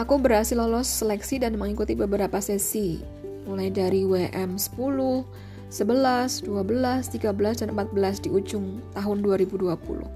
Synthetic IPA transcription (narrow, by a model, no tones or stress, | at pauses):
ʔakubəɾɦasɪlɔlɔsːəlɛksidanməŋikut̪ibəbəɾapasɛsi | mulajdaɾiweʔɛmsə̥pulʊh | səbəlasduabəlast̪iɡabəlasdanəmpat̪̚bəlasdiud͡ʒʊŋt̪aɦʊnduaɾibuduapṵlʊ̰